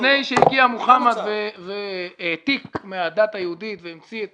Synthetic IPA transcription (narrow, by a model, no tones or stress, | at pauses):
nejʃeiɡiamuχamat̪vevet̪ikmead̪at̪ajeud̪it̪veimt͡siet